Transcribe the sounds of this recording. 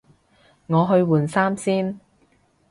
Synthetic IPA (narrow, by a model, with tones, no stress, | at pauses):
ŋɔː˨˧ɦɵ˧ɥwuː˨˩nsaː˥msiː˥n